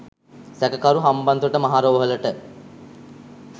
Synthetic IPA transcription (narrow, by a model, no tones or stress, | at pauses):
sɛkəkaɾuɦambɐnd̪uəʈəmaɦaːɾoːʋəɦələʈə